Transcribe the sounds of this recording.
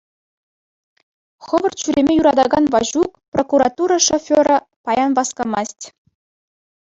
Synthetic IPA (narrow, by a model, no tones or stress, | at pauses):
χɤ̆ʋɤ̆rt͡ɕyɾʲemʲejuɾɑd̪ɑɡɑnvɑʑukprokuɾɑt̪uɾɑʂofʲoɾɑ | pɑjɑnʋɑskɑmɑsʲtʲ